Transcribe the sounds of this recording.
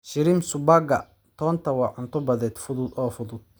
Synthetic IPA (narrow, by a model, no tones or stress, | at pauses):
ʃɪɾimsʊbaɡɐ̰ | t̪ʰɔːnt̪ʰɐwɑːʕʊnt̪ʰɔbɐðɛːd̪fʊðʊd̪ɔːfʊðʊd̪̥̚